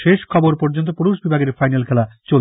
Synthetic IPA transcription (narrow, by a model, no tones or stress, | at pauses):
ʃeʃkʰɔboɾpoɾd͡ʑont̪opuɾuʃbibʱaɡeɾfajnalkʰɛlat͡ɕo